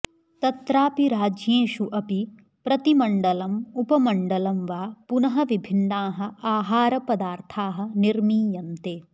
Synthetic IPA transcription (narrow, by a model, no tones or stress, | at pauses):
t̪ɐt̪ɾaːpiɾaːd͡ʒjeːʃuʔɐpi | pɾɐt̪imɐɳɖɐlɐmupɐmɐɳɖɐlɐmʋaːpunɐɦɐʋibʱinːaːɦɐ̆aːɦaːɾɐpɐd̪aːɾt̪ʰaːɦɐ̆niɾmiːjɐnt̪eː